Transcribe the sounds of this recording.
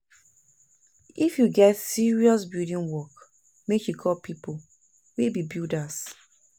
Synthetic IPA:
ifjuɡɛtsiɹiɔsbildĩŋwɔk | mekjukʰɔpʰipo | webibildas

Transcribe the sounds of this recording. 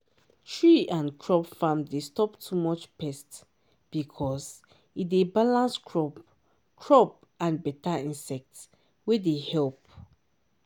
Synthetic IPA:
tʰɹiãnkʰɹɔpfãmdestɔptʰumɔt͡ʃpɛst | b̥ikʰɔs | itdebalãnskʰɹɔp | kʰɹɔp̚ | ãnbɛtaĩnsɛk̚t | wɛdehɛlp̚

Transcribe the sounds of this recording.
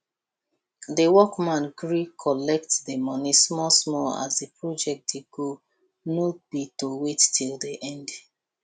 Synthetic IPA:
dəwɔkmãnɡɹikʰɔlɛk̚tdəmɔnismɔsmɔa̰zdəpʰɹɔd͡ʒɛk̚teɡo | nob̥itowetːʰilˠdiʔɛ̃nd

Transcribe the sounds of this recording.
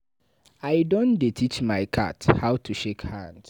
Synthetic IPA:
aɪdõndetʰit͡ʃmaɪkʰa̰thaʊtʰuʃekhãnd̥

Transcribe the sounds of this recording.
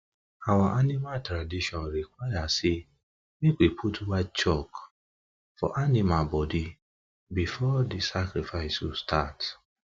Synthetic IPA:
awaʔanĩmatɾadiʃɔ̃nɾikwajasi | nĩk͡pepʰutwat͡ʃɔk | fɔ̰ʔanĩmabɔdi | bifɔdisakɾifaɪswustʰat

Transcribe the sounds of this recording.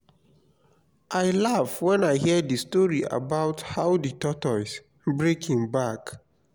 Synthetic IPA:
ʔaɪlavwɛ̃naɪɦiədəstɔɹiʔa̰baʊthaʊdɨtɔtɔs | bɹekʰĩŋbak

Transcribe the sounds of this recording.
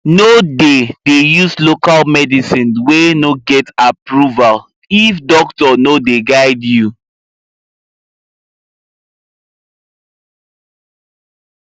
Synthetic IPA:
nodedejuslokalmɛdisĩnwenoɡɛtapɹuval | ifdɔktɔnodeɡaɪdju

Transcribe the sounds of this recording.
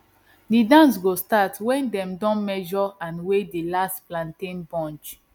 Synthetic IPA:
didãns̬ɡostatwɛ̃ndɛ̃mdɔ̃nmɛʒɔãnwedilastplãntĩnbɔ̃nt͡ʃ

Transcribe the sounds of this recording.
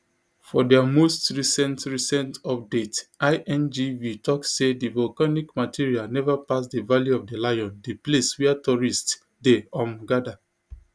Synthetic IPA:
fɔdɛamostɹisɛ̃ntɹisɛ̃ntɔp̚detaɪʔɛ̃nd͡ʒivitʰɔksːedivɔlkanikmatʰiɹialnɛvapasdəvaliɔvfdəlajɔ̃ndepleswɛatɔɹists | deɔ̃mɡada

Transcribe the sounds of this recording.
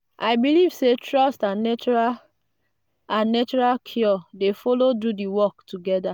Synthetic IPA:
ʔaɪbilivsetʰɹɔstãnɛt͡ʃa | ãnnet͡ʃɔɹalkʰjɔdefɔlodudiwɔktʰuɡɛda

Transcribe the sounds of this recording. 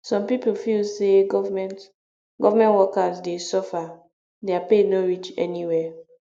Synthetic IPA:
sɔ̃mpipol̩filseɡɔvmɛ̃nt | ɡɔvamɛ̃nwɔkasdesɔfa | deapenoɹit͡ʃɛ̰niwɛ

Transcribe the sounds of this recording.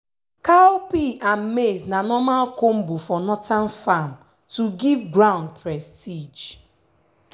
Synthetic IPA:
kaopiʔam̩meznanɔmalkom̩bufɔnɔtan̩fam | tuɡivɡɾãʊ̃nd̚pʰɾɛstid͡ʒ

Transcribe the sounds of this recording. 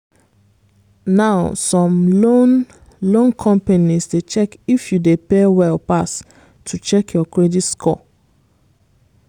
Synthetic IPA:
naʊsɔ̃mlon | lõnkʰɔ̃mpanisdet͡ʃɛkifjudepewɛlpas | tʰut͡ʃɛkʰjɔkɹeditskʰɔ̰

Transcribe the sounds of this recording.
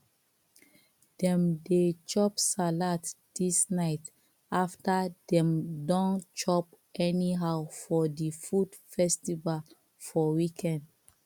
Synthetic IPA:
d̥ɛ̃mdet͡ʃɔpsalat | d̥isnaɪt | aftadɛ̃mdɔ̃nt͡ʃɔp̚ | ʔɛniɦafɔdifud̥fɛstival | fɔwikʰɛ̃nd

